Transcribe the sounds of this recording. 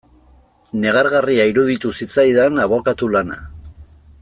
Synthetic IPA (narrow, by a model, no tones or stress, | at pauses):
ne̞ɣ̞aɾɣariaiɾuðit̪usit͡sajðanaβo̞kat̪ulana̰